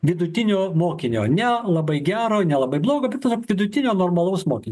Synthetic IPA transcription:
ʋʲɪd̪ʊt̪ʲɪnʲoːmoːkʲɪnʲo̰ːnʲɛlˠɐbɐɪɡʲæːɾoːnʲɛlˠɐbɐɪblˠoːɡoːbʲɛt̪t̪ːɐsʲokʋʲɪd̪ʊt̪ʲɪnʲoːnoːrmɐlˠɐʊsmoːkʲɪnʲ

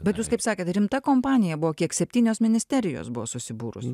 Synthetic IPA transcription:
bʲɛt̪juːskɐɪpsɑːkʲeːt̪ɾʲɪmt̪ɐkoːmpɑːnʲɪjɛbʊʋoːkʲiɛksʲɛpʲt̪ʲiːnʲoːsmʲɪnʲɪsʲt̪ʲɛɾʲɪjo̰ːsbʊʋo̰ːsʊsʲɪbuːɾʊ̰s

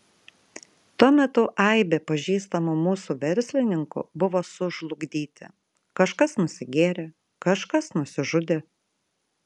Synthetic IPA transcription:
t̪uɔmʲɛt̪ʊʔɐɪbʲepɐʒʲiːst̪ɐmʊmuːsuːʋʲɛɾʲsʲlʲɪnʲɪŋkʊ̰bʊʋoːsʊʒlˠʊɡd̪ʲiːt̪ʲɪ̰ | kɐʃkɐsnʊsʲɪɡʲeːɾʲe | kɐʃkɐsnʊsʲɪʒʊd̪ʲe

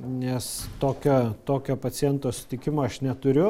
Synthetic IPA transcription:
nʲɛst̪oːkʲoːt̪oːkʲoːpɐt͡s̪ʲɪɛnt̪oːsʲʊ̥t̪ʲɪkʲɪmoːɐʃnʲɛt̪ʊɾʲʊ

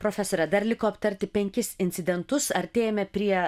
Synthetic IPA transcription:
pɾoːfʲɛsoːɾʲɛd̪ɐɾlʲɪkoːɐpt̪ɐɾʲt̪ʲɪpʲɛŋʲkʲɪsɪnʲt̪ʲɪd̪ʲɛnt̪ʊsɐɾʲt̪ʲeːjɛmʲɛpʲɾʲiɛ

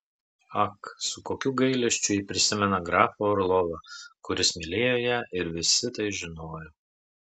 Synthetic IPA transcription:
ɐksʊkoːkʲuɡɐɪlʲɛʃʲt͡ʃʲʊiːpʲɾʲɪsʲɪmʲɛnɐɡɾɑːfoɔɾlˠɔʋɐkʊɾʲɪsmʲɪlʲeːjoːjɛʔɪɾʋʲɪsʲɪt̪ɐɪʒʲɪnoːjoː

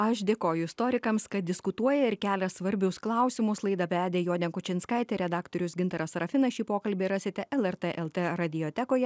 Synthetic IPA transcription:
ɐʃd̪ʲeːkoːjʊɪst̪oːɾʲɪkɐmskɐt̪̚d̪ʲɪskʊt̪uɔjɛɪɾkʲæːlʲɛsʋɐɾʲbʲʊsklˠɐˑʊsʲɪmʊslˠɐɪd̪ɐpʲæːd̪ʲeːjoːd̪ʲɛnkʊt͡ʃʲɪnʲskɐɪt̪ʲɛɾʲɛd̪ɑːkt̪oːɾʲʊsɡʲɪnt̪ɐɾɐsɾɐfʲɪnɐʃʲiːpoːkɐlʲbʲeːɾɑːsʲeːt̪ʲɛʔɛlˠɛɾt̪ɛʔɛlˠt̪eɾɐd̪ʲɪjoːt̪ʲɛkoːjɛ

